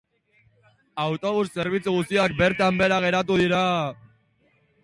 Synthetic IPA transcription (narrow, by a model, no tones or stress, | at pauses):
awt̪o̞βusːe̞ɾβ̞it͡suɣust̪iak̚be̞ɾt̪ambe̞ɾaɣ̞e̞ɾat̪uðiɾa